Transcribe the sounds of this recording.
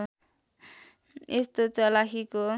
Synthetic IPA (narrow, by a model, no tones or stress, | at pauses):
est̪ot͡sʌlakiko